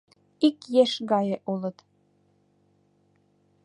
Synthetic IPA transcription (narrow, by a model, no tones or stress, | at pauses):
ikjeʃɣɑjeʔulɤ̆t̪